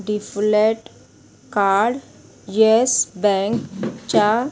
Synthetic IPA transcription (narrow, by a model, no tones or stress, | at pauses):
ɖifleʈ | kaɽ | jesbɛ̃ŋkt͡ɕa